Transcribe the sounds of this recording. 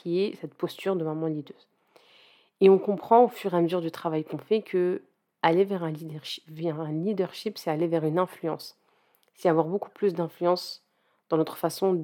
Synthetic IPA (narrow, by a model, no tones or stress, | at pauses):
iɛsɛt̪pɔst̪yʁd̪əmamɑ̃lid̪øːz | eɔ̃kɔ̃pχɑ̃ofyʁeaməzyʁd̪yt̪χavajkɔ̃fɛkʰə | alevɛʁɛ̃vɛʁɛ̃lid̪œʁʃipsɛalevɛʁynɛ̃flyɑ̃s | sɛavwaʁboku̥plysd̪ɛ̃flyɑ̃s | d̪̥ɑ̃nɔt̪χə̥fasɔ̃